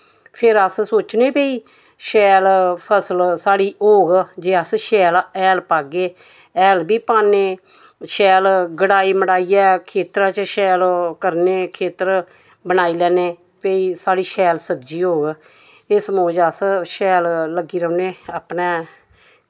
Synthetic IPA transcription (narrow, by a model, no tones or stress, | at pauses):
pʰɪɾəssoːt͡ʃneːpeːiː | ʃɛːlpʰəsəlsaːɽiːɦoːɡd͡ʒeːəsʃɛːlɛːlpaːɡeː | ɛːlbiːpaːneː | ʃɛːlɡəɽaːiːməɽaːiːɛːkʰeːt̪ɾãːt͡ʃəʃɛːlkəɾneːkʰeːt̪əɾ | bənaːiːlɛːneː | peiːsaːɽiːʃɛːlsəbd͡ʒiːɦoːɡ | ɪsəmoːd͡ʒəsʃɛːlləɡiːɾəʊneːaːpnɛː